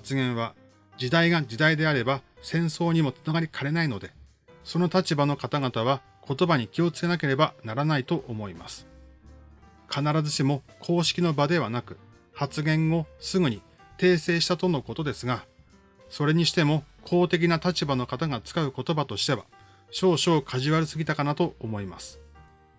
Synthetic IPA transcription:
at͡sɨɡẽ̞ɰ̃βa | d͡ʑid̪aiɡad͡ʑid̪aid̪e̞aɾe̞basẽ̞ɰ̃so̞ːɲ̟imo̞t͡sɨ̥naɡaɾʲikʰaɾe̞naino̞d̪e̞ | so̞no̞t̪at͡ɕibano̞kat̪aɡat̪aβa | kʰo̞t̪o̞baɲ̟ikʲio̞t͡sɨ̥ke̞nak̬e̞ɾe̞banaɾanait̪o̞ʔomo̞ima̰sɨ̥ | kʰanaɾazɨɕimo̞kʰo̞ːɕi̥kʲino̞bad̪e̞β̞anakɯ̟ | hat͡sɨɡẽ̞ɰ̃o̞sɨɡɯ̟ɲ̟i | t̪e̞ːse̞ːɕi̥t̪at̪o̞no̞ko̞t̪o̞d̪e̞sɨɡa | so̞ɾe̞ɲ̟iɕi̥t̪e̞mo̞kʰo̞ːt̪e̞k̬ʲinat̪at͡ɕibano̞kat̪aɡat͡sɨ̥kaɯ̟ko̞t̪o̞bat̪o̞ɕi̥t̪e̞β̞a̰ | ɕo̞ːɕo̞ːkʰaʑiβaɾɯsɨɡʲit̪akanat̪o̞ːmo̞ima̰sɨ̥

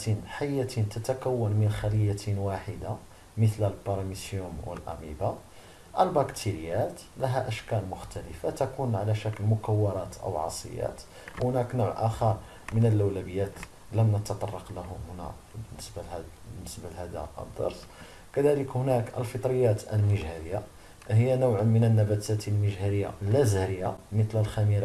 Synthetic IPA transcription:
t̪inħajːæt̪int̪æt̪ækæwːənmənxæləjːæt̪nwaħəd̪a | mət̪lælbɑɾˤɑmisjumwə̰lʔæ̰miba | ʔəlbɑkt̪ʰiɾəjæt̪læɦæʔæʃkælmʊxt̪æləfat̪ækunʕalæʃækəlmʊkæwːɑɾˤɑt̪ʔə̰wʕɑ̰sˤə̰jːæ̰t̪ | whnæknʊʕʔæxɑɾˤ | mənəlʔæwlæbəjːæt̪ | læmnət̪ɑt̪ˤɑrˤːɑqlæhʊmhʊnæ̰ | bənːəsb | ənːəsbælhæd̪æ̰ʔə̰d̪ˤːɑ̰ɾsˤ | kæd̪æləkhʊnækʔəlfət̪ˤɾəjːæt̪əlməʒhæɾəjːa | həjːænəwʕmənənːæbæt̪æt̪əlməʒɦæɾəjːa̰lːæzhɾəjːamət̪ləlxæmiɾ

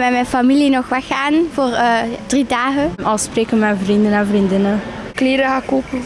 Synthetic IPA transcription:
mɛmɛjnfamilinɔxʋɛxaːnv̥oːrd̥ridaːɣənɑlˠspreːkənmɛvrindənɛnvrindɪnə | kleːɾəɣaːkoːpə

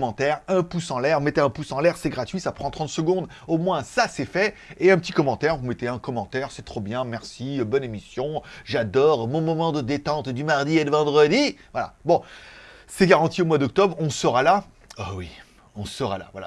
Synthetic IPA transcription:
mɑ̃t̪ɛʁɛ̃pusɑ̃lɛʁmɛt̪eɛ̃pusɑ̃lɛʁsɛɡʁat̪ɥisapχɑ̃t̪χɑ̃t̪səɡɔ̃d̪ | omwɛ̃sasɛfɛeɛ̃pət̪ikɔmɑ̃t̪ɛʁvumɛt̪eɛ̃kɔmɑ̃t̪ɛʁsɛt̪χobjɛ̃mɛʁsiøbɔnemisjɔ̃ʒad̪ɔʁmɔ̃mɔmɑ̃d̪əd̪et̪ɑ̃t̪d̪ymaʁd̪ied̪əvɑ̃d̪ʁəd̪ivwala̰bɔ̃ | sɛɡaʁɑ̃t̪iomwad̪ɔk̚t̪ɔbʁɔ̃səʁala | awi | ɔ̃səʁa̰la̰vwala̰

